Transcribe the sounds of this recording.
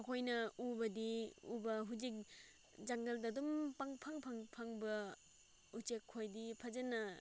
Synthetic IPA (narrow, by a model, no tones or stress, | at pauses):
ɐkʰojnɐubɐdiṵbɐɦud͡ʒik̚ | d͡ʒaŋɡɐldadumpaŋpʰaŋpʰaŋpʰaŋbɐ | ut͡ʃekʰːojdipʰɐzenɐ